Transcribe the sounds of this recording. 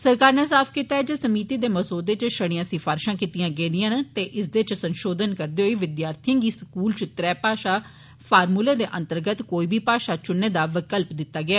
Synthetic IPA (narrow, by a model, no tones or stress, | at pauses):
səɾkaːɾnɛːsaːpʰkiːt̪aːɛːd͡ʒeːsəmiːt̪iːd̪eːməsoːd̪eːt͡ʃʃəɽ̃ɪjãːsɪfʰaːɾʃãːkiːt̪ijãːɡeːd̪ɪjãːnt̪eːʔɪsd̪eːt͡ʃsənʃoːd̪ənkəɾd̪eːɦoiːʋɪd̪jaːɾt̪ʰɪjãːɡiːskuːlt͡ʃt̪ɾɛːpaːʃaː | pʰaːɾmuːleːd̪eːʔə̃nt̪əɾɡət̪koːiːbʱiːpaːʃaːt͡ʃʊnːeːd̪aːʋɪkəlpd̪ɪt̪ːaːɡɪaː